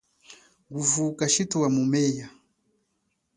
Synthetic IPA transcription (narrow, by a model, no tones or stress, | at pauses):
ɡuvukaʃituwamumɛja